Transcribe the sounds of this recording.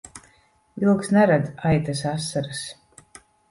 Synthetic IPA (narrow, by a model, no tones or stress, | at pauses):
ilˠksnɛɾad̪ajt̪ɛs̬asːaɾas